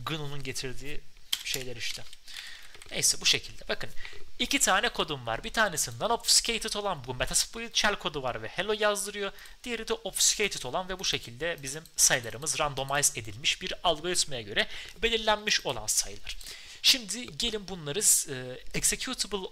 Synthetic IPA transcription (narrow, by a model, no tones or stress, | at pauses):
ɡɯnununɟe̞t̪ʰiɾd̪iː | ʃe̞jlʲɛɾiʃt̪ʰɛ | nḛjsɛbuʃe̞cʰilʲd̪ɛbakʰɯnicit̪ʰaːnɛkʰo̞d̪umva̰ɾbit̪ʰaːnesind̪anopfscʰejt̪ʰit̪ʰo̞lˠanbumːet̪ʰaspoit͡ʃʰælʲkʰo̞d̪uvaɾvɛhelˠo̞jazd̪ɯɾɯjo̞ | d̪̥ijeɾid̪ɛʔopfscʲʰejt̪ʰit̪ʰo̞lˠanvɛbuʃe̞cʰilʲd̪ɛbizimsajlˠaɾɯmɯzɾand̪o̞majze̞d̪ilʲmiʃbiɾalˠɡo̞ɾit̪mejaɟø̞ɾɛbe̞lʲiɾlʲænmiʃo̞lˠa̰nsa̰jlˠaɾ̥ | ʃimd̪ɪɟe̞lʲinbunlˠaɾɯzɯɛksecʰut̪ʰibɯlˠ